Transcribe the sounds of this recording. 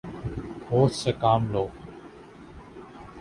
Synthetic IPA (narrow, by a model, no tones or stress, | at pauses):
hoːt̪sekaːmloː